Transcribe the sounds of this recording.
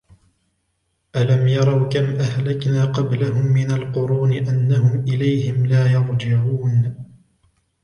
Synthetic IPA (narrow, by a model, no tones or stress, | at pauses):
ʔalamjɑɾˤɑwkamʔahlaknaːqɑblaɦʊmːɪnalqʊɾuːnɪʔanːahʊmʔɪlajhɪmlaːjɑɾd͡ʒɪʕuːn